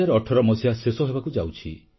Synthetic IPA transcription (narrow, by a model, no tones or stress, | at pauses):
aɾɔɔʈʰɔɾɔmɔsijasesɔɦebakud͡ʒawt͡ʃʰi